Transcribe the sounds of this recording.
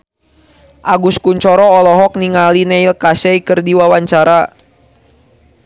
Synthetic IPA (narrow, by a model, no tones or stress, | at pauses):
ʔaɡuskuɲt͡ʃɔɾɔːlɔɦɔk̚niŋalinɛilkasɛikɨrdiwawaɲt͡ʃaɾa